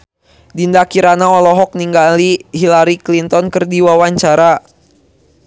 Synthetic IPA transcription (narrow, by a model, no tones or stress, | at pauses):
dindakiɾanaɔlɔɦɔk̚niŋɡaliɦilaɾiklint̪ɔnkɨrdiwawaɲt͡ʃaɾa